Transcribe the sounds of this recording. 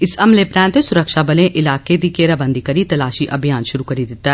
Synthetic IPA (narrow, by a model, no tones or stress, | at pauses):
ɪsɐmlepɾɛ̃ːnt̪esʊɾəkʃabɐlẽʔɪlaːked̪ikeːɾabə̃nd̪ʱikɐɾit̪ɐlaːʃiʔɐbʱijaːnʃʊɾukɐɾid̪ɪt̪ːaɦɛ